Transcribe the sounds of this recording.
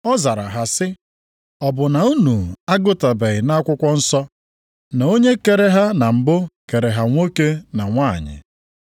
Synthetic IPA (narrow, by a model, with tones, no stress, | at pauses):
ɔ˦za˨ɾa̰˨ɦa˨sɪ˦ | ɔ˨bʊ˨na˨u˦nu˨a˦ɡʊ˦ta˨be˨ɣɪ˨na˦kʷʊ˦kʷɔ˦n̩˦sɔ˦ | na˨o˦ɲe˦ke˨ɾe˦ɦa˦na˨m̩˨bʊ˦ke˨ɾe˨ɦa˨ŋʷo˦ke˦na˨ŋʷa̰˦˨ɲɪ̰˨